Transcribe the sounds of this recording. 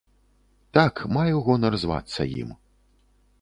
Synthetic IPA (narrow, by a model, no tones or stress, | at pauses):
t̪akmajɛwɣɔnɐrzva̰t̪sːɐ̰jḭm